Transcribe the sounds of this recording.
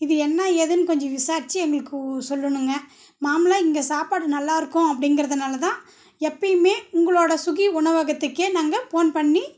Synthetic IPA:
ɪðɯɛnːɐeðɯnɯkɔɲd͡ʒɔ̃ʋɪsaːɾt͡ʃːiɛŋɡɐɭɯkːɯsɔlːɯɳɯŋɡɐ | maːmɪlaːɪŋɡɐsaːpaːɽɯnɐlːaːɪɾɯkːʊ̃ɐpːɐɽɪŋɡɪɾɐðɐnaːlɐt̪ãː | ɛpːɐjmeːʊŋɡɐɭoːɽɐsʊɣiʊɳɐʋɐɣɐt̪ːɯkːeːnaːŋɡɐfoːnpɐɳːi

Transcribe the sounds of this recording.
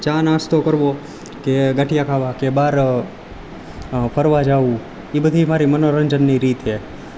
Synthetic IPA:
t͡ʃanast̪okəɾʋo | keɡəʈijakʰaʋakebaɾ | pʰəɾʋad͡ʒaʋũ | ibəd̪ʱimaɾimənoɾəɲd͡ʒənːiɾiːt̪e

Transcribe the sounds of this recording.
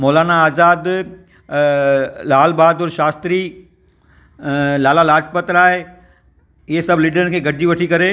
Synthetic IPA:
moːlaːnaaːzaːd̪ | laːlbaːd̪ʊɾʃaːst̪ɾi | laːlalaːd͡ʒpət̪ɾaːɦe | ɪɦesɐbliːɖəɾənkʰeːɡɐɖʱiʋɐʈʰikɐɾe

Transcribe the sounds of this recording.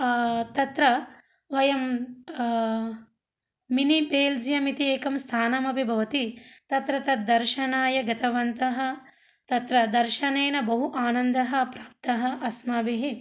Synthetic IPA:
t̪ɐt̪ɾɐ | ʋɐjɐm | inibeːld͡ʒjɐmit̪ieːkɐmst̪ʰaːnɐmɐbʱibʱɐʋɐt̪it̪ɐt̪ɾɐt̪ɐd̪ɐɾʃɐnaːjɐɡɐt̪ɐʋɐnt̪ɐɦɐ̆ | t̪ɐt̪ɾɐd̪ɐɾʃɐneːnɐbɐɦuʔaːnɐnd̪ɐɦɐ̆pɾaːp̚t̪ɐɦɐʔɐsmaːbiɦi

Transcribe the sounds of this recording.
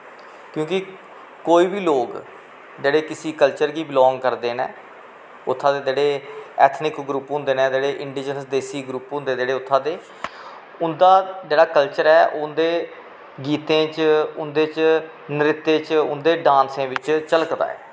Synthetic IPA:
kjõːkɪ | koːiːbiːloːk | d͡ʒeːɽeːkɪsiːkəlt͡ʃəɾɡiːbɪlɔ̃ːŋɡkəɾd̪eːnɛ̰̃ː | ʊt̪ʰːãːd̪eːd͡ʒeːɽeːɛ̰ːt̪ʰnɪkɡɾuːpɦʊ̃nd̪eːnɛːd͡ʒeːɽeːʔɪɳɖiːd͡ʒənsd̪eːsiːɡɾuːpɦʊ̃nd̪eːd͡ʒeːɽeːʊt̪ʰːãːd̪eː | ʊnd̪aːd͡ʒeːɽaːkəlt͡ʃəɾɛːʔʊnd̪eː | ɡiːt̪ẽːt͡ʃʊnd̪eːt͡ʃ | nəɾɪt̪ːeːt͡ʃʊ̰nd̪eːɖãːnsẽːʋɪt͡ʃt͡ʃələkd̪a̰ːɛ̰ː

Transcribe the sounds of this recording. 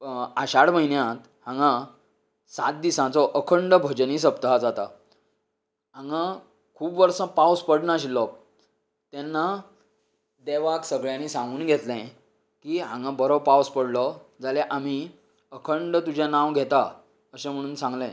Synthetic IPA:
aɕaɽməɦinjãt̪ | hãŋɡã | sa̰t̪̚d̪isãt͡sɔʔəkʰəɳɖəbʱəd͡ʑniːs̬əp̚t̪əɦad͡zat̪a̰ | ɦãŋɡã | kʰuːbʋəɾsə̃pawspəɽnaɕilɔ | t̪ɛnːa | d̪eʋaksəɡɭjãnisãŋɡuːnɡʱet̪lɛ̃ | kiɦãŋɡãbəɾɔpawspəɽlɔd͡zaleʔam̤i | əkʰəɳɖt̪ud͡ʑʱjanãʋɡʱet̪a | əɕẽm̤əɽ̃uːnsãŋɡlɛ̃

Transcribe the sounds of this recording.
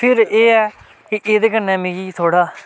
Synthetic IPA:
pʰɪɾeːɛː | kɪʔeːd̪eːkənːɛ̃ːmẽːɡiːt̪ʰoːɽaː

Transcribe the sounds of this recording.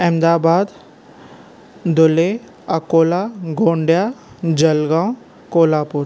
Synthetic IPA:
ɛ̃md̪aːbaːd̪ | d̪ʊle | ɐkoːlaɡʱoːɳɖja | d͡ʑɐlɡãw | koːlaːpʊɾ

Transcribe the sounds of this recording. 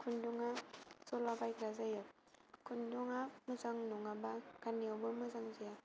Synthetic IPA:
kʰunduŋasɔlabajkɾazajɯk̚ | kʰunduŋamɯzaŋnuŋabakaniawbɯmɯzaŋzaja

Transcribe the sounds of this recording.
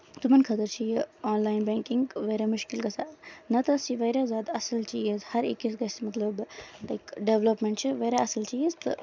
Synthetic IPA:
t̪umɐnkʰɐt̪ɐɾt͡ʃʰijiɔːnlaːjnbɛːŋkiŋɡʋɐjɾamuʃkilɡɐsaːnɐt̪ɐst͡ʃiʋɐjɾazaːd̪ɐsɐlt͡ʃʰijezhɐɾḭkːisɡɐst͡ʃmɐt̪lɐblajkɖeʋlɐpmeɳʈt͡ʃʰiʋɐɾaɐsɐlt͡ʃʰijezt̪ɨ̰

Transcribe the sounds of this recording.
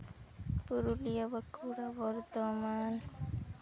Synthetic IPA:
puɾulijabəkʰuɾabɔɾt̪ɔman

